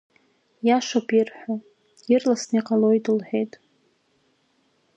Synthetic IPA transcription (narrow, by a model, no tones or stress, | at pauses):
jaʃʷapʰʼirħʷᶣo | ɪrlasniqʼalojdʼɨlħʷᶣejtʼ